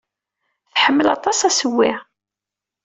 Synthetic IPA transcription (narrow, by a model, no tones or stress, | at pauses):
θħəmːəlɑt̪ˤɑsæsəwːiʕ